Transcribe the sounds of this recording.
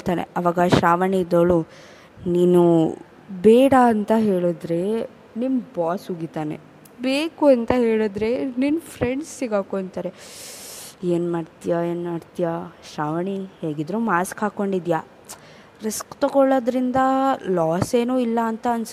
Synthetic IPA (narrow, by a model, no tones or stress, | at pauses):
t̪aːnḛɐʋaːɡɐʃaːʋɐɳiːd̪oɭu | niːnu | bɛːɽɐːnt̪ɐɦe̞ːɭoːd̪ɾe̞ | nimbaːsuɡit̪aːne̞̰ | beːkuɐnt̪ɐɦe̞ːɭoːd̪ɾe̞ninpʰɾeɳɖsːiɡaːkoɳɖt̪aːɾe | e̞ːnmaːɖt̪ijaeːnmaːɖt̪ijaʃaːʋɐɳiheːɡid̪ɾumaːskɦaːkoɳɖid̪jaː | ɾeskt̪ɐɡɔɭod̪ɾind̪ɐlaːse̞ːnuːilːɐːnt̪ɐːns